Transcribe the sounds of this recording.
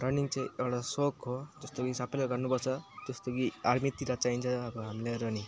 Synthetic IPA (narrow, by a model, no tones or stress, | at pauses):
ɾʌniŋt͡saĩewɽasokɦod͡zʌst̪okisʌbʌjlaɡʌrnupʌt͡sʰʌd͡zʌst̪okiaɾmit̪iɾat͡saint͡sʰʌːbʌɦamleɾʌni